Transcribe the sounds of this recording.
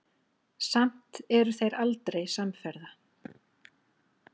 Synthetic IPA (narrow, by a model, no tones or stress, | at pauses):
sam̥t̪ɛɾʏθejɾalt̪ɾejsamfɛɾða